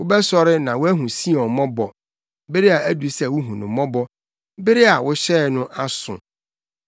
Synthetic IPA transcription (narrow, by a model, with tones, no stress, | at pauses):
wʊ˦bɛ˦sɔ˦ɾɪ˦nã˨wʊ˦æ˦ɦũ˨si˦ɔ̃˨mɔ̃˦bɔ˨ | bɪ˦ɾɪ˦a˨ʔæ˦du˨sɛ˦˨wʊ˦ɦũ˨nʊ̃˨mɔ̃˦bɔ˦ | bɪ˦ɾɪ˦a˨wʊ˦ɕɛ˦˨nʊ̃˦ʔa˦sʊ̰̃˨